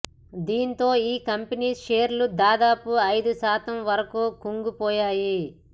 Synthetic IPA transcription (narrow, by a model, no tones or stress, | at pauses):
d̪iːnt̪o̞ːiːkɐmpeniːʃeːɾlud̪aːd̪aːpuɐjd̪uʃaːt̪ɐmʋɐɾɐkuːkuŋɡupɔːjaːji